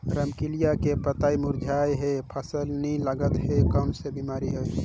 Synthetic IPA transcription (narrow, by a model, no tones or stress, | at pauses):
ɾəmkilijakepət̪aːimʊɾd͡ʒʱaːjɦepʰəsəlnĩləɡət̪ɦekənsebimaːɾiɦoe